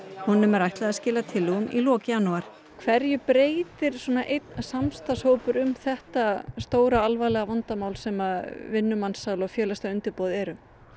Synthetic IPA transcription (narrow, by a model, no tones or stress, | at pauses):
hɔnːʏmɛɾajht̪laascɪːlat̪ʰɪlːuɣʏmḭlɔːcɪjanːuaɾ̥ | kʰvɛɾjʏpɾeːjt̪ɪɾ̥swɔːnaʔejt̪nsamst̪ashowpʏɾʏmθɛht̪ast̪oːwɾaalvajlɛɣavant̪amaːwlsɛmavɪnːʏmansːawlɔɣfjɛːlast̪aʏnt̪ɪɾpoːwðɪɛɾʏm